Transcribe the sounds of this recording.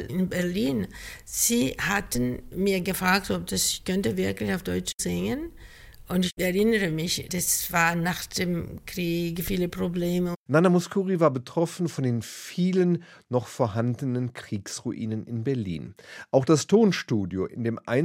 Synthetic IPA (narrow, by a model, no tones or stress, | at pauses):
ɪnbɛɐliːnz̥iːhatn̩miːɐɡəfʁaːk̚tɔp̚d̥asɪkʰœntəvɪɐklɪçaʊfd̥ɔʏt͡ʃzɪŋən | ʔʊntɪçɛʁɪnəʁəmɪçd̥asv̥aːɐnaχd̥emkʁ̥iːɡfiːləpʁobleːmənanamuskuːʁivaːɐbətʁ̥ɔfn̩fɔndeːnfiːlənː | ɔχfoːɐɦandənənkʁ̥iːksʁuʔḭːnənɪnbɛɐlḭːnʔaʊxd̥astʰoːnʃtuːdjo̰ʔɪ̰ndeːmʔa̰ɪn